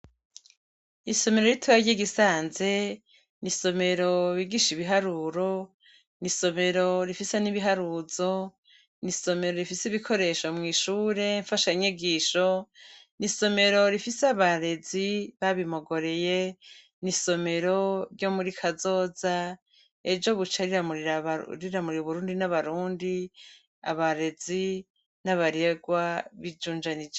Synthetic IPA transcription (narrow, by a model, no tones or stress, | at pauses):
iso̞me̞ɾo̞ɾitʰuβaɟiɡisaːnze̞ | niso̞me̞ɾo̞βiɡiʃiβiɦaɾuːɾo̞ | niso̞me̞ɾo̞ɾifiseniβiɦaɾuzo̞ | niso̞me̞ɾo̞ɾifisiβikʰo̞ɾe̞ʃo̞mŋiːʃuːɾe̞ɱfaʃaɲiɡiːʃo̞niso̞me̞ɾo̞ɾifiseaβaɾe̞ziβaβimo̞ɡo̞ɾe̞je | niso̞me̞ɾo̞ɾjo̞ːmuɾikʰazo̞ːza | ed͡ʒo̞βut͡ʃaɾiamuɾiaɾiɾamuɾiɾuβuɾuːndinaβaɾuːndi | a̰βaɾe̞zi | naβaɾeɡwaβid͡ʒuːnd͡ʒanid͡ʒe